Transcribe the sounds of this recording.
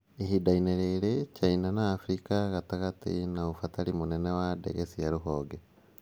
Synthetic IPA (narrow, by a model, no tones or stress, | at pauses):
ehidaineɾeɾecainanaːfɾikaɣataɣatḭnaufatalimunenewadḛɣesijaɾuɦoːɡe